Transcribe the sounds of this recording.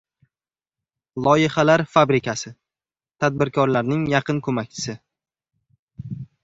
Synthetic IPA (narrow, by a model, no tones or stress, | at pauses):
lˠɒjɪχalaɾfabɾɪkʲʰasɪ | t̪ʰad̪̚bɪɾkʰɒɾlaɾnɪŋjɑqʰɨnkʰɵmakʲt͡ʃʰɪ̥sɪ